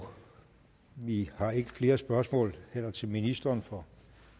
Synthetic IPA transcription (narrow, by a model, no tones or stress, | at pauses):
ʋihɑ̈e̝ɡ̥əfle̝ːɐsb̥ɶɐsmɔ̰ːlhel̰ɐt͡sʰe̝lminisd̥ɐːnfɒ̽